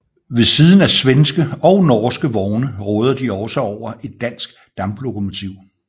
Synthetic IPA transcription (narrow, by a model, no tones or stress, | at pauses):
ʋe̝siːð̞ˠn̩æsʋensɡ̥əɒ̽ʊnɒːsɡ̥əʋɒʊnəʁɔ̽ːð̞ˠɐd̥iɒ̽səɒʊ̰ɐʔe̝d̥̚ːæn̰sɡ̥ | d̥ɑ̈mb̥lo̝kʰo̝mo̝t͡sʰiʊ̰